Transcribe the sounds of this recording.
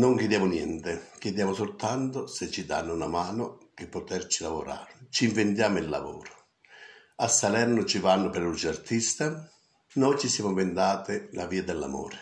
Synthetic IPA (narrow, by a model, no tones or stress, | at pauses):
noŋked̪jaːmʊnjɛ̰nt̪ɪkjed̪jaːmʊsʊlt̪ant̪ʊsɪt͡ʃːid̪a̰nːʊunamaːnʊkɪpːɔt̪ɛrt͡ʃilavo̰ɾa̰ːɾt͡ʃiɱvent̪jaːmʊilːa̰vɔ̰ːɾʊ̥ | asːalɛrnʊt͡ʃivanːʊpɛɾut͡ʃart̪ist̪a | nɔjt͡ʃisjaːmʊɱvend̪aːt̪ɪlaviːad̪ɛlːa̰mɔ̰ːɾɪ